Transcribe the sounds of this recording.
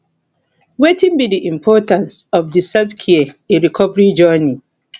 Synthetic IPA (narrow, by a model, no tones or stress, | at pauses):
wetĩnbidiʔĩmpʰɔːtãnsɔvðisɛlfkʰɛəeɹikʰɔvəɹid͡ʒɜni